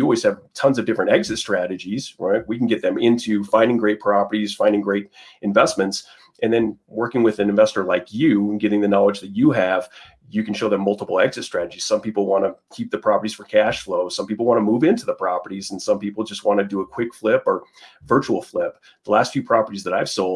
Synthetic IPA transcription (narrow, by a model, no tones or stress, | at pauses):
jɨɔlˠwiz̥ɨv̥tʰʌ̃nzʌvdɪfɹɨ̃ntɛɡzɨtstɹ̥æɾɨd͡ʒiz̥ɹaɪt̚wikn̩ɡɛt̪̚ðɨ̃mɪ̃ntʰʉfãɪ̃ndɪ̃ŋɡɹeɪt̚pʰɹ̥ɑpə˞ɾiz̥fãɪ̃ndɪ̃ŋɡɹeɪɾ | ɨ̃ɱvɛsmɨ̃nts | ʔɨ̃nðɨ̃nwɜ˞kɪ̃ŋwɨðɨ̃nɨ̃ɱvɛstə˞laɪkjʉɡɪɾɪ̃ŋðɨnɑlˠəd͡ʒðɨt͡ʃɨɨv̥ | jɨkn̩ʃoʊðɨ̃mːʌlˠtəpl̩ˠɛɡzɨtstɹ̥æɾɨd͡ʒiz̥sʌ̃mpipl̩ˠwɑ̃ñɨkʰip̚ðɨpʰɹ̥ɑpə˞ɾiz̥fə˞kʰæʃfloʊ̥sʌ̃mpipl̩ˠwɑ̃ñəmuvɪ̃ntʰʉðəpʰɹ̥ɑpə˞ɾizn̩sʌ̃mpipl̩ˠd͡ʒʌst̚wɑ̃ñɨdɨəkʰw̥ɪkflɪpə˞ | vɜ˞t͡ʃul̩ˠflɪp̚ | ðəlæstfjʉpʰɹ̥ɑpə˞ɾizðəɾaɪv̥soʊlˠd